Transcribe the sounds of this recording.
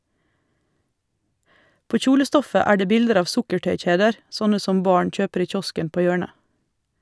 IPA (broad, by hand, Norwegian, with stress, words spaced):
ˈpoː ˈçuːləˌstɔfə ˈæː ˈɖeː ˈbɪldəɾ ˈɑːʋ ˈsʊkəˌʈœʏˌc͡çeːdəɾ ˈsɔnə ˈsɔm ˈbɑːɳ ˈc͡çøːpəɾ ˈiː ˈc͡çɔskən ˈpoː ˈjøːɳə